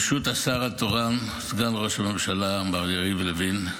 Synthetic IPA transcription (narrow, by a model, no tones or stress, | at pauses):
ʃut̪asaʁat̪oʁan | sɡanʁo̞ʃame̞mʃalabaʁjaʁivlevin